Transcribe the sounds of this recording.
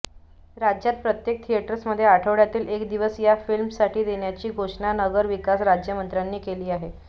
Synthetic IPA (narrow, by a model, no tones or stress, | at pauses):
ɾad͡ʑjat̪̚pɾət̪jek̚t̪ʰijeʈəɾəsməd̪ʱːjeaʈʰəʋɭjat̪iːlekd̪iʋəsjafilmsaʈiːd̪eɳjat͡ɕiːɡʱoʂɳanəɡəɾʋikasɾad͡ʑjəmənt̪ɾjanːiːkeliːaɦe